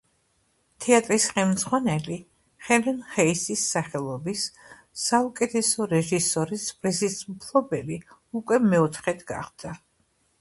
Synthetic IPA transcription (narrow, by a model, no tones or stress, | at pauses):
t̪ʰɛat̪ʼɾisχɛlˠmd̪zʁwanɛli | χɛlɛnχɛisisːaχɛlˠɔbisː | aukʼɛt̪ʰɛsɔɾɛʒisɔɾisbɾizisupʰlˠɔbɛliukʼwɛmɛɔt̪ʰχɛt̪ʰɡa̰χd̪̥a